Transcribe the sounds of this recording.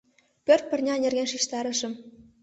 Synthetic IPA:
pʲørt̪̚pʲɘ̆rʲnʲɑnʲĕrɣʲenʲʃiʃt̪ɑɾʲɘ̆ʃɘ̆m

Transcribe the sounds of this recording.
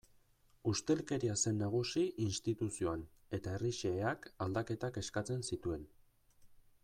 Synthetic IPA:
ust̪e̞lke̞ɾiase̞nːaɣ̞usiinst̪it̪usio̞an | e̞t̪aeriʃe̞akald̪ake̞t̪ake̞skat͡se̞nsit̪ue̞n

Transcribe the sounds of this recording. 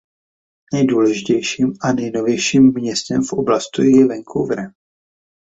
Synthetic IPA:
nɛjduːlɛʒɪcɛjʃiːmanɛjno̞vjɛjʃiːmːɲɛst̪ɛmfʔo̞blast̪ujjɛvɛŋkʰowvɾɛ

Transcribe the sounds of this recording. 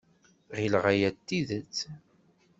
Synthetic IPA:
ʁilʁæjæt̪ːiðət͡sː

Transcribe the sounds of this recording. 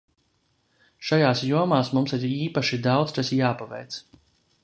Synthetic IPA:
ʃajaːsjuɔmaːsmumsiɾiːpaʃid̪awt̪st̪asjaːpavɛ̰jt̪s

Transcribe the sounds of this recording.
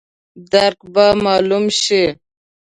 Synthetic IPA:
d̪aɾqbamɑːlumʃi

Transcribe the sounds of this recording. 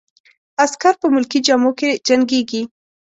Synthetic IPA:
askaɾpəmʊlkid͡ʒɑmoked͡ʒaŋɡeɡi

